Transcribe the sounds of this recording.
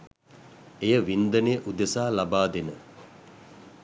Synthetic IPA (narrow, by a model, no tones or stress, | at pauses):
ejəʋind̪ənejʔud̪əsaːlabaːd̪enə